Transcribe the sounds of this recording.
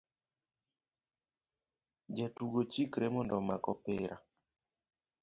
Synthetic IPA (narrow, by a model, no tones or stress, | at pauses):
d͡ʒɛtuɡot͡ʃikɾemɔndɔmakɔpɪɾʔa̰